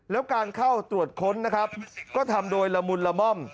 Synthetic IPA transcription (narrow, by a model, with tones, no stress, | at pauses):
lɛː˦˥wkaː˧nkʰa˥˩wt̪ɾu˨˩ət̪̚kʰo˦˥nːa˦˥kʰa˦˥p̚kɔː˥˩t̪ʰa˧mdoː˧jla˧mu˧nla˧mɔ˥˩m